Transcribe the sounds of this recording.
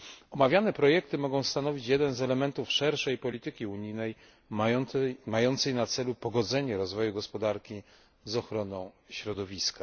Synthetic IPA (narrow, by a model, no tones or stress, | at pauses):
ɔmavʲjanɛpɾɔjɛkt̪ɘmɔɡɔ̃w̃st̪anɔvʲit͡ɕjɛd̪ɛnzɛlɛmɛnt̪ufʂɛɾʂɛjpɔlʲit̪ɘkʲiuɲijnɛj | majɔnt̪sɛjnat̪sɛlupɔɡɔd̪zɛɲɛɾɔzvɔjuɡɔspɔd̪aɾkʲi | zɔxɾɔnɔ̃w̃ɕɾɔd̪ɔvʲiska